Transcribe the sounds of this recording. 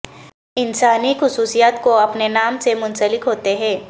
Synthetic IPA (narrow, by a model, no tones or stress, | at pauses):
ɪnsaːnixʊsuːsijaːt̪koɐpnenaːmsemʊnsəlɪkɦoːt̪eɦɛ̃ː